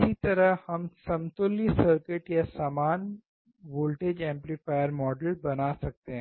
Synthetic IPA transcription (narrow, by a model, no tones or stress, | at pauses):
sit̪ɐɾəhɐmsɐ̃mt̪ʊlisəɾkɪʈjasaːmaːn | ʋoːlʈeːd͡ʒɛ̃ːmplifaːjəɾmɔːɖəlbɐnasɐk̚t̪eɦɛ̃